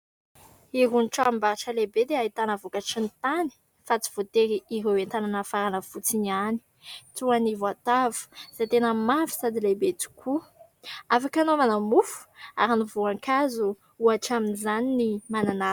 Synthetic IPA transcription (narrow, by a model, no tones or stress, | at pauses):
iɦunʈ͡ʂambaɾaʈ͡ʂəlebed̪eait̪anəvokaʈ͡ʂint̪ani̥ | fat͡si̥v̥ot̪eɾiiɦewent̪ananəfaɾanəfut͡sinani̥ | t̪uanivwat̪avu̥z̥at̪enəmavi̥sad̪ilebet͡su̥kʰu | afakanomanamufu̥a̰ɾinivuaŋkazu | uaʈ͡ʂaminizaninimanana